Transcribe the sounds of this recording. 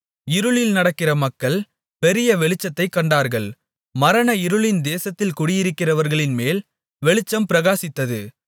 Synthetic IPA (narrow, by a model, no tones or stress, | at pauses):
ɪɾɯɭɪlnɐɽɐkːɪrɐmɐkːɐɭ | pɛɾɪjɐʋɛɭɪt͡ʃːɐt̪ːɐɪkːɐɳɖaːɾɣɐɭ | mɐɾɐnɐɪɾɯɭɪnd̪eːsɐt̪ːɪlkʊɽɪjɪɾɯkːɪrɐʋɐɾɣɐɭɪnmeːl | ʋɛɭɪt͡ʃːɐmpɪɾɐɣaːsɪt̪ːɐðɯ